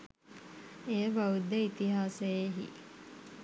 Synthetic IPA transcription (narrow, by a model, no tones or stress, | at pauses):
ejəʋaud̪əit̪iɦaːsejeɦḭ